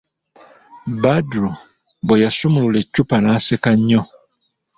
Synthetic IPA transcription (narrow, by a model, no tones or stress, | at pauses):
badɾu | bwejasumululecːupanaːsekaɲːo